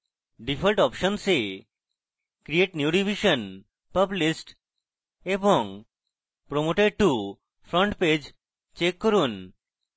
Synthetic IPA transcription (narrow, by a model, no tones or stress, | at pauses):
ɖipʰəlʈɔpʃɔnse | kɾieʈnjuɖibʱiʃən | pəblisʈ | eboŋ | pɾomoʈeɖ̚ʈu | fʰɾɔɳʈped͡ʑ | t͡ɕekːoɾun